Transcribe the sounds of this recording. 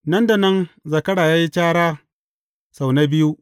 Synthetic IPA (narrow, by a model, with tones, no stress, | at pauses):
nɐ˦nda˨nɐ˦nzɐ˨kɐ˦ɽaː˨jaː˦ji˦t͡ʃʲaː˦ɽaː˦ | sa˨wna˦bɪ˦ju˦ʔ